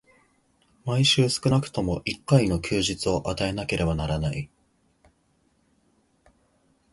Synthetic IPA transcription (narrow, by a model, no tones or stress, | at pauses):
maiɕɨːsɨ̥kɯ̟nakɯ̟̥t̪o̞mo̞ʔikːaino̞kʲʰɨːʑit͡sɨo̞ʔat̪ae̞nake̞ɾʔe̞banaɾanai